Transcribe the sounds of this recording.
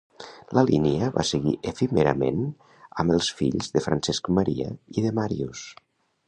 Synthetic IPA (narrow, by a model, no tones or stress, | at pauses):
ləliniəβa̰səɣiʔəfimeɾəmen | əmbəlˠsfḭʎzðəfɾənsɛskməɾiə̰iðəmaɾius